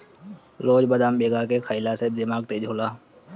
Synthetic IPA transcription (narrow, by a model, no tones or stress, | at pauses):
loːd͡ʒbəd̪aːmbeːɡakekʰəɪlased̪ɪmaːɡ̚t̪eːd͡ʒʱɦoːlaː